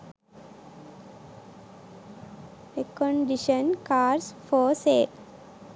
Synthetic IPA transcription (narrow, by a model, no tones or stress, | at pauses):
ekɔ̃ɳɖiʃə̃nkaːɾsfɔːseːl